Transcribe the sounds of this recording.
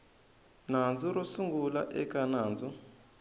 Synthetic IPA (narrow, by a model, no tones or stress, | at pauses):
nand͡zuɾɔsuŋɡula̰ʔɛkanaːnd͡zɔ